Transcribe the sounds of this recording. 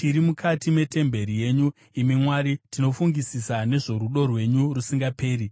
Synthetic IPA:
tiɾimukʰatime̞te̞mbe̞ɾije̞ɲu | imimwaːɾitino̞fuŋɡisisane̞ʐo̞ɾuɗo̞rwe̞ɲurusiŋɡape̞ːri

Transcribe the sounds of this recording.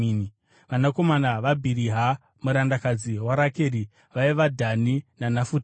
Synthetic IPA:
ni | ʋanako̞manaʋabʱiɾiɦa | muɾandakad͡ziwaɾake̞ːɾi | ʋaiʋadʱaninanafut

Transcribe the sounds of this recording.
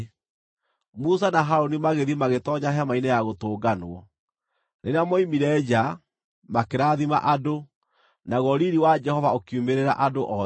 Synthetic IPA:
mus̬anaɦaɾonimaɣeðimaɣetɔɲaɦɛamainejaɣotoːɡanwɔ | neɾeamɔimiɾɛd͡ʒa | makeɾaːðima̰ʔado | naɣɔɾiɾiwad͡ʒɛhɔvaokiumeɾeɾa̰ʔadoʔɔ

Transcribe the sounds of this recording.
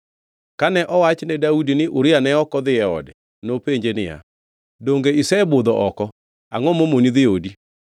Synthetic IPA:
kanɛʔɔwat͡ʃenedaudineʔoɾeanɛɔkɔðeɛɔ̰dɛ | nopeɲd͡ʒenea̰ | doŋɡeisɛboðɔʔɔkɔ | aŋɔmomoniðeodi

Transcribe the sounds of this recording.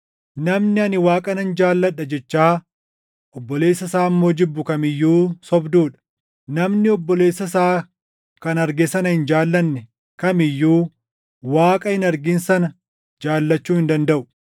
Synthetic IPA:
nɐmnɪɐnɪwaːkʼɐnɐnd͡ʒaːlːɐᶑɐd͡ʒɛt͡ʃːaː | ʔɔbːɔle̞ːsːɐsaːmːo̞ːd͡ʒɪbːʊkɐmɪjːuːsɔbd̪uːᶑɐ̥ | nɐmnɪɔbːɔleːsːɐs̬aː | kɐnɐɾɡesɐnɐhɪnd͡ʒaːlːɐnːɛ | kɐmɪjːuː | waːkʼɐhɪnɐɾɡɪnsɐnɐ | d͡ʒaːlːɐt͡ʃːuːhɪnd̪ɐnd̪ɐʔʊ̥

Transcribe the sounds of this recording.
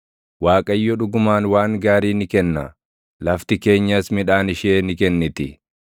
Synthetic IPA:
waːkʼɐjːɔᶑʊɡʊmaːnwaːŋɡaːɾiːnɪkɛnːɐ̰ | lɐft̪ɪke̞ːɲːɐsmɪᶑaːnɪʃeːnɪkɛnːɪt̪ɪ

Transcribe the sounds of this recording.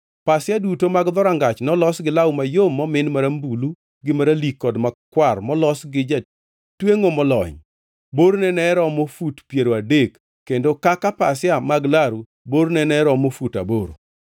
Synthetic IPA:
pasjadutomaɡd̪ɔɾaŋɡat͡ʃnɔlɔsɡɪlawmajomːɔmɪnmaɾambulu | ɡɪmaɾalikːɔdmakwarmɔlɔsɡɪd͡ʒa | tweŋomɔlɔ̰ɲ | boɾnɛnɛɾɔmofutpjeɾoadekː | endokakapasjamaɡlaɾu | boɾnɛnɛɾɔmofuta̰boɾo̰

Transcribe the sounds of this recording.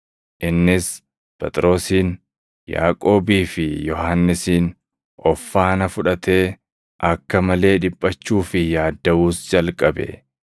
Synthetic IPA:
ʔɪnːɪs | pʼɛt̪ʼɾo̞ːsiːn | ja̰ːkʼo̞ːbiːfɪjɔɦanːɪsiːn | ɔfːaːnɐfʊᶑɐt̪e̞ː | ʔɐkːɐmɐle̞ːᶑɪpʼːɐt͡ʃːuːfɪjaːd̪ːɐʔuːsd͡ʒɐlkʼɐbɛ̰

